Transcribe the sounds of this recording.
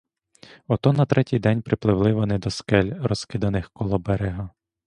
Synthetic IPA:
ɔt̪ɔnɐt̪ɾɛtʲijd̪ɛnʲpɾɪplˠɪʋlˠɪʋɔnɪd̪ɔskɛlʲɾɔskɪd̪ɐnɪxkɔlˠɔbɛɾeɦɐ

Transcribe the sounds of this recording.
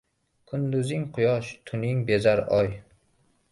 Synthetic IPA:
kʰʊnd̪ʊzɪŋqʰʊjɒʃt̪ʰʊnɪŋbe̞zaɾɒj

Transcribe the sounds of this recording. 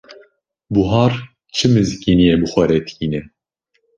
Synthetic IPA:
buɦɑːɾ | t͡ʃʰɨmɨzkiːnijebɨxʷɛɾɛt̪kiːnɛ

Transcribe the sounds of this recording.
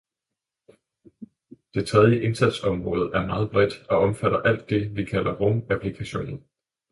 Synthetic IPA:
d̥e̝t͡sʰʁɛð̞ˠjəʔe̝nsæd̥sɒ̽mʁɔ̽ːð̞̩ˠæɐmɑ̈ːð̞̩ˠb̥ʁɛd̥ɒ̽ɒ̽mfæɾɐʔæl̰d̥ːe̝ʋikʰælɐʁomæpʰlikʰæɕo̝̰ːnn̩

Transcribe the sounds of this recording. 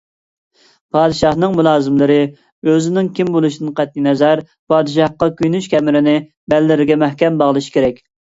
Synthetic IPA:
pʰɑːd̪ɨʃɑhnɨŋmulˠɑːzɪmlɨɾɪ | øzɪnɪŋkʲʰimbolˠuʃid̪ɨnqæt̪ːinɛzɛɾ | pʰɑːd̪ɨʃ̬ɑhqɑkʲʰyjnyʃkʲʰɛmɪɾɪnɪ | bɛlːɪɾɪɡʲɛmɛhkʲɛmbɑʁlˠɨʃi̥kʲeɾɛkʲ

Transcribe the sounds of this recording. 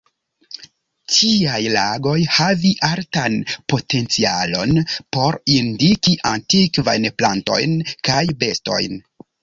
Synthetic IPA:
tʰiajlaɡo̞jhaviʔaɾtanpo̞te̞nt͡sialo̞̰npo̞ɾindikiʔantikva̰jnplanto̞̰jnkajbe̞sto̞̰jn

